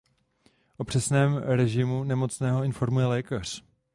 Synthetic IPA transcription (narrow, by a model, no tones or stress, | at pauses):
ʔo̞pr̥ɛsnɛːmɾɛʒɪmunɛmo̞t͡snɛːɦo̞ɪnfo̞ɾmujɛlɛːkar̝̥